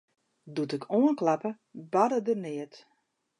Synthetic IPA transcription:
dutɪkʰoənklapə | badədərnɪət

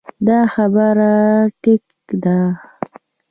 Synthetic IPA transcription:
d̪ɑxabəɾaʈɪk | d̪a

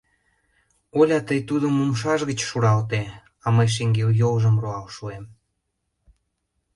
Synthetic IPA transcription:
olʲɑt̪əjt̪ud̪əmumʃ̬ɑʃɣə̆t͡ɕʃuɾɑlt̪̬e | ɑməjʃ̬eŋɡeljolʒəmroɑlʃuem

